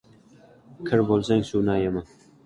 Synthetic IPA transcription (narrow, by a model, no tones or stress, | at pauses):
kʰɪɾbolˠsaŋsunajama